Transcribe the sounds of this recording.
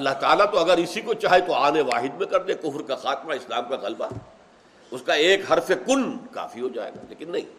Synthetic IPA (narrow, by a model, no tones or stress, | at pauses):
ɐlːaɦt̪aːlat̪oɐɡəɾɪsikot͡ʃaːɦet̪oaːneʋaːɦɪd̪mẽkɐɾd̪ekʊfɾkaxaːt̪maɪslaːmkaɣɐlba̰ɛ | ʊskaeːkɦɐɾfekʊnka̰ːfiɦod͡ʒa̰ːḛːɡa̰ːleːkɪnːɐɦḭ̃ː